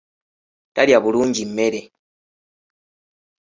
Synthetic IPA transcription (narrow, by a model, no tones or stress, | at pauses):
taljaβuluːɲɟimeɾe